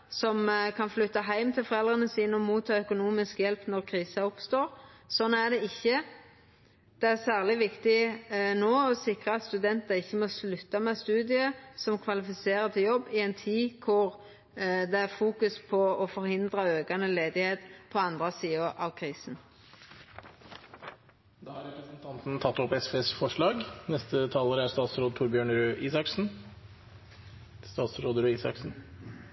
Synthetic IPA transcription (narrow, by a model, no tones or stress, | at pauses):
sɔmkʰɑnflʉt̪ːɑɦæɪmt̪ʰɪlfɔʁɛld̪ʁənəsiːnəɔmuːt̪ʰːɑːœkʊnuːmɪskjɛlpnɔɾkʰɾiːsɑʊpst̪oːɾsɔnːæd̪ɛɪçːə | d̪̥ɛæsæːʁlɪʋɪkt̪ɪnoːɔsɪkɾəɑt̪st̪ʉd̪ɛnt̪ɑɪçːəmɔslʉt̪ːɑmɛst̪ʉːd̪ɪəsɔmkʰʋɑlɪfɪseːɾət̪ʰɪljɔbːɪɛnt̪ʰiːkʰʊɾ | d̪ɛæɾfuːkʉspʰɔɔfɔɾhɪnd̪ʁɑøːɡɑnəleːd̪ɪheːt̪pʰɔɑnd̪ʁəsiːəɾʔɑ̰ʋkʰʁiːsn̩ | d̪ɑːhɑɾɛpɾəsnt̪ʰɑnt̪n̩t̪ʰɑt̪ːɔpɛsfesfɔʂɭɑːɡnɛst̪ət̪ʰɑːləɾəæst̪ɑːt̪sɾoːd̪ət̪ʰuːɾbjøːɳəɾʉʔiːsɑksn̩ | st̪ɑːt̪sɾoːd̪əɾʉːiːsɑ̰ksn̩